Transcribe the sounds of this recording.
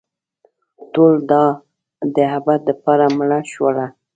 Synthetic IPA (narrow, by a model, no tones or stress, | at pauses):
told̪ɑ | d̪əɦabat̪ləpɑɾamɽaʃwəla